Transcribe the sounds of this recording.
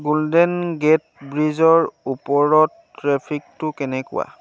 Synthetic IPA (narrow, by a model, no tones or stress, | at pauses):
ɡuldɛnɡɛt̚bɹizɔɹupɔɹɔtː | ɹɛpʰik̚tʊkɛnɛkʊ̰wa̰